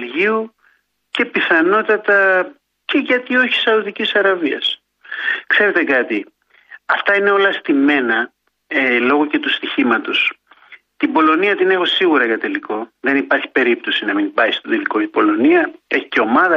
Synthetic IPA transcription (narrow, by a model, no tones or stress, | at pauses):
lʝiu | ce̞piθɐno̞t̪ɐt̪ɐ | ce̞ʝɐt̪io̞çi̥sɐuðicisɐɾɐviɐs | kse̞ɾe̞t̪e̞kɐt̪i | ɐft̪ɐine̞o̞lɐst̪ime̞nɐ | elo̞ɣo̞ce̞t̪ust̪içimɐt̪o̞s | t̪ibo̞lo̞niɐt̪ine̞xo̞siɣuɾɐʝɐt̪eliko̞ðe̞nipɐɾçi̥pe̞ɾip̚t̪o̞sinɐminbɐist̪o̞t̪eliko̞ipo̞lo̞niɐe̞çi̥ce̞o̞mɐðɐ